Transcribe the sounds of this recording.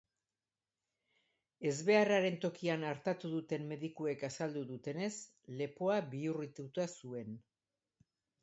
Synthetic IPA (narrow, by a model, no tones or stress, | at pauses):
e̞zβe̞araɾe̞nt̪o̞kianaɾt̪at̪uðut̪e̞mːe̞ðikue̞kasald̪uðut̪e̞ne̞s | le̞po̞aβiurit̪ut̪asue̞n